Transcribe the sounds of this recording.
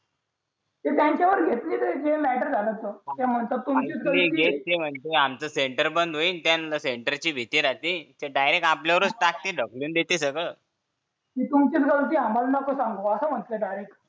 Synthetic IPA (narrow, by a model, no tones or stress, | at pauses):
t̪et̪jãɲt͡ɕjaʋəɾɡʱet̪liːt̪ed͡ʑemæʈəɾd͡zʱalət̪ːət̪ɛ̃m̤əɳt̪əɾt̪umt͡ɕit̪ɡʱəiɡʱet̪t̪em̤əɳt̪eamt͡səseɳʈəɾbənd̪ɦoint̪jãnləseɳʈəɾt͡ɕiːbʱit̪iːɾat̪it̪eɖajɾekapljaʋəɾut͡sʈak̚t̪iːɖʱəkliuːnd̪et̪isəɡəɭ | kit̪umt͡ɕit̪ɡʱəɾt̪iɦamalnakʰosãŋɡoəsəm̤əɳt̪leɖajɾek